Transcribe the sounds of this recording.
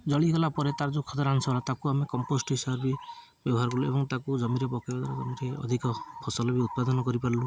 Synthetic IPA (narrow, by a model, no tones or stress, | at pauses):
d͡ʒɔɭiɡɔlapɔɾet̪aɾd͡ʒokʰɔt̪ɔɾansɔbɔlat̪akuamekɔmposʈɔɦisabɾɔbi | bjɔbɔɦaɾɔɡɔluḛbɔŋt̪akud͡ʒɔmiɾɔpɔkebad̪aɾɔtɔmiɾʰejɔ̰d̪ʱikɔpʰɔsɔlɔbiut̪̚pad̪ɔnɔkɔɾipaɾlu